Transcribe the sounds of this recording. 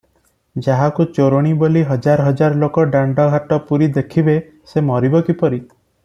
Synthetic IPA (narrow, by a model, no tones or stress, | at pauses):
d͡ʒaɦakut͡ʃoɾɔɽ̃iboliɦɔd͡ʒaɾɔɦɔd͡ʒaɾɔlokɔɖaɳɖɔɡʱaʈɔpuɾid̪ekʰibe | semɔɾibɔkipɔɾi